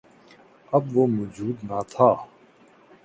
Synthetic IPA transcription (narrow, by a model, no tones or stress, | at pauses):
əbʋoːmʊd͡ʒuːd̪naːt̪ʰaː